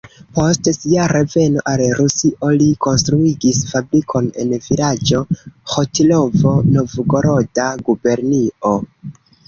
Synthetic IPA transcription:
po̞stsiaɾe̞ve̞no̞̰ʔalɾusiʔo̞liko̞nstɾuiɡisfabɾikʰo̞ne̞̰nvilad͡ʒo̞xo̞tilo̞vo̞no̞vɡo̞ɾo̞daɡube̞ɾnio̞

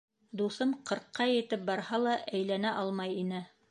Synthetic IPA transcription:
d̪uθɤmqɤ̆ɾqːɑjɘ̆t̪ɘp̚bɑɾhɑlˠɑʔæjlænæʔɑlˠmɑjinɘ

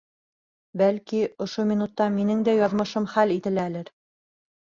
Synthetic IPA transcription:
bælkiŏʃomʲinut̪ːɑminɘŋd̪æjɑðmɤ̆ʃɤmχælit̪ɘ̆lælɘɾ

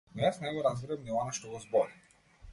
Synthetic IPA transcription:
nɛjasnajɡɔɾazɡɾɛbniɔnaʃt̪ɔɡɔzbɔɾi

